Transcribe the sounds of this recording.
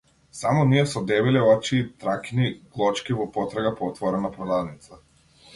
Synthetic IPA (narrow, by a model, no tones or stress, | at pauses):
samɔniɛsɔd̪ɛbilɛɔt͡ʃiːt̪ɾakʲiniɡ̥lˠɔt͡ʃkivɔpɔt̪ɾaɡapɔːt̪vɔɾɛnapɾɔd̪ad̪nit̪sa